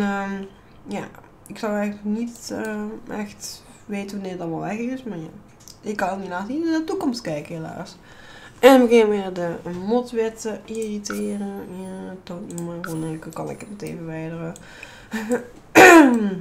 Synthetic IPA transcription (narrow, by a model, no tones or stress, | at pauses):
ə | ja̰ː | ɪksɑwɛɣələləknitəʔɛxt | ʋeːtənʋɑnɪːɹdɑnʋɛlˠʋɛxɪsmaːɹja̰ː | ɪkːɑnoninaːtinadətukɔmstkɛjkəɦela̰ːs | ɛnbəɣɪnʋɪːrdəmɔtʋɪtəiritɪːrəntoːtnumərɛnɪkkɑnɪ̰kətmɛtḛːvəʋɛjdərə